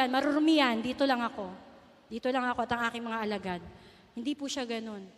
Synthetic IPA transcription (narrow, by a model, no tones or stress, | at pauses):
anmɐɾʊɾʊmɪjand̪iːt̪o̞lɐŋɐko̞ | d̪iːt̪olɐŋɐko̞ʔɐt̪ɐŋʔaːkɪŋmɐŋaʔɐlɐɡad̪̚ | hɪnd̪ipuʃaɡɐno̞n